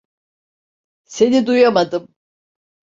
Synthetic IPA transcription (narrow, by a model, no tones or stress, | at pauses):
se̞nid̪ujamad̪ɯm